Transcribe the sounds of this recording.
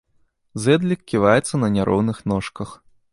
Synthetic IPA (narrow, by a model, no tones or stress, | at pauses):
zɛd̪lʲikʲkʲːivajɛt̪sːɐnɐnʲaɾʔɔ̰wnɨxnɔʂkɐx